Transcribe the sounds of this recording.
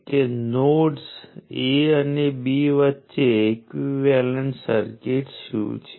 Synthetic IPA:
kenoʈseənebiʋətːʃeːkʋiʋɛləɳsə̰ɾkeʈʃṵ̃t͡ʃʰe̥

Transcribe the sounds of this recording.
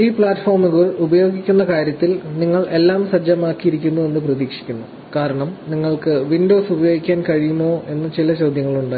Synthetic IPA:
iːpɭaːtːfo̞ːrmuɣɐɻubɐjo̞ːɡikʲːunːɐkaːɾjɐt̪ːilniŋːɐɭe̞lːaːmsɐd͡ʑːɐmaːkːijiɾikʲːunːue̞nːɨprɐðiːkʂi̥kʲːunːu | kaːɾɐɳɐmniŋːɐɭkɨʋindo̞ːsubɐjo̞ːɡikʲːaːnkɐɻijumo̞ːʔe̞nːɨt͡ɕilɐt͡ɕoːd̪ʱjɐŋːɐɭuɳɖaː

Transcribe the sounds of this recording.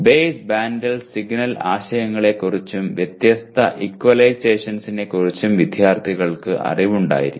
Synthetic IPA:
beːsbaːndɐlsiɡnɐla̰ːɕɐjɐŋːɐɭe̞kurit͡ɕːumʋjet̪jɐst̪ʰɐʔikːwɐlɐjseːʂɐnsine̞kurit͡ɕːumʋid̪ʱjaːrt̪ʰiɣɐɭkɨʔɐ̰riʋuɳɖa̰ːjḭɾi

